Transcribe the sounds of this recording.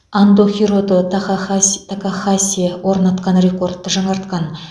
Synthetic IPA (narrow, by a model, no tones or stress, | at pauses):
and̪oχʲiɾo̞d̪ət̪t̪ʰakaχasʲiewʔo̞ɾnɑt̪qɑnre̞ko̞rt̪ːəʒɑɴɑɾt̪qɑn